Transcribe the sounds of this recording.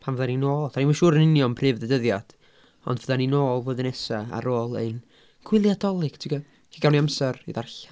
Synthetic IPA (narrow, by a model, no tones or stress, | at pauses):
pʰanvəðaninoːlˠθanimaʃuːɾənɪnjɔnpʰrɨːvðədəðjad̥ | ɔ̰ndvəðaninoːlˠvoːðnɛsaa̰ɾoːlˠḛn | ɡ̥ʰwɪlˠjadɔlˠɨɡ̥tʰɪɡɔ | kʰiɡawniamsɛrḭðarɬḁ